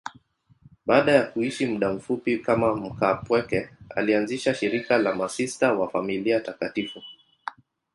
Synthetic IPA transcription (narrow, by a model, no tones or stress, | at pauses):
ɓaːɗajakuiʃimuɗam̩fupikamam̩kapwɛkɛa̰lianziʃaʃiɾikalamasistawafamiliatakatifu